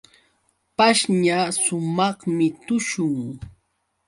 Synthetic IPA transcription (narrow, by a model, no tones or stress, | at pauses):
paʃɲasʊmɑχmɪt̪ʊʃʊŋ